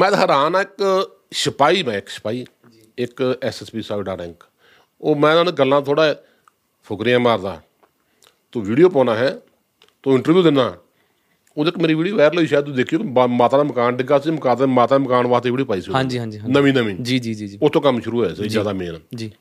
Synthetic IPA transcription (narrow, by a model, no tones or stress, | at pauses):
mɛ̃ːt̪aɦəɾaːnaːɪk | ʃəpaːiːbɛ̃ːɪksə̥paːiː | ɪkɛːsɛːspiːsaːɖaːɾɛ̃ːŋk | oːmɛ̃ːnaːneɡəlːãːt̪ʰoːɽaː | pʰʊkɾɪjãːmaːɾd̪a̰ː | t̪õːʋiːɖijoːpɔːnaːɦɛː | t̪õːɪ̃ɳʈəɾʋjuːd̪ɪnːaː | oːd̪eːkmeːɾiːʋiːɽioːʋɛːɾloːiːʃaːd̪t̪ud̪eːkʰijoːkːmaːt̪aːd̪aːməkaːnɖɪɡaːsiːməkaːt̪maːt̪aːməkaːnʋaːt̪eːʋiːɽipaːiːsãːɲd͡ʒiːɦãːd͡ʒinəʋĩːnəʋĩːd͡ʒiːd͡ʒiːd͡ʒid͡ʒʊst̪õːkəmʃʊɾuːɛːsiːzjaːd̪aːmeːnːd͡ʒiː